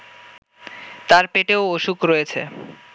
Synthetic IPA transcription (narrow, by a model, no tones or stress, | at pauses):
t̪aɾpeʈeooʃukɾojet͡ɕʰḛ